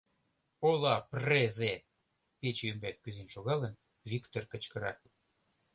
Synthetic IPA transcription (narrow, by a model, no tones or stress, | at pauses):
olɑpreze | pet͡ɕymbæt̪̚kyzenʃoɣɑlən | βikt̪orkə̆t͡ɕkə̆ɾɑ̰